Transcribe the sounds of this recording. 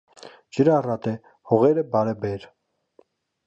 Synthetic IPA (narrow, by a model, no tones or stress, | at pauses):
d͡ʒəɾɑrɑt̪ɛ | hɔʁɛɾəbɑɾɛbɛɾ